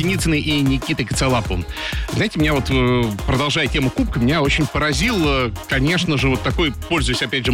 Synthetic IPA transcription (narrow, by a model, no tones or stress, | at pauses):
ɪnʲit̪sɨnəʔinʲɪkʲit̪əkə̥t̪sɐlˠapəvəɨzajɪtʲɪmʲɪnʲavo̞t̪pɾəd̪ɐlˠʐajɪtʲe̞mʊkup̚kəmʲɪnʲaot͡ɕɪnʲpəɾɐzʲilˠkɐnʲe̞ʂnəʐɨvo̞t̪ːɐko̞jpo̞lʲzʊjɪsʲɐpʲædʲʐɨ